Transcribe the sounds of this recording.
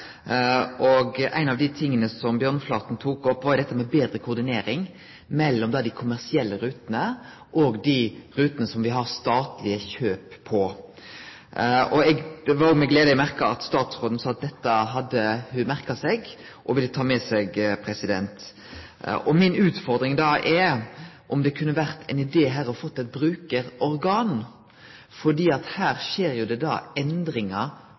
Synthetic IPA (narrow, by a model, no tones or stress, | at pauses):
ʔɔɡʔæ̰ɪnɑʋd̪ɪt̪ʰɪŋːənəsɔmbjøːʁnflɑːt̪n̩t̪ʰuːkɔpːʋɑɾjʊd̪ɛt̪ːəmɛbeːd̪ɾəkʰʊʁd̪ɪneːɾɪŋ | mɛlːɔmd̪ɛæd̪ɪkʰʊmæʁsɪɛlːəɾʉːt̪ənə | ʔɔɡd̪iɾʉːt̪ənəsɔmʋɪɦɑʁst̪ɑːt̪lɪəçøːpʰːɔ | ɔɛɡd̪ɛʋɑɾjʊmɛɡleːd̪əɔmæʁkɑɑt̪st̪ɑːt̪sʁoːd̪ən̩sɑːɑt̪̚d̪ɛt̪ːəɦɑd̪ːəhʉmæʁkɑsɛɡ | ʔɔʋɪlːət̪ʰɑːmɛsɛɡpʰɾɛsɪd̪ɛnt̪ | ɔmɪnʉːt̪fɔɾd̪ɾɪŋd̪ɑːʔɛ | ʔɔmd̪ɛkʰʉnːəʋæʁt̪ʰɛnɪd̪eːɦæːɾɔfɔt̪ːɛt̪̚bɾʉːkəɾɔɾɡɑːn | fɔɖ̪iːɑt̪hæːɾʃeːɾjʊd̪ɛd̪ɑ̰ːɛnd̪ɾɪŋɑ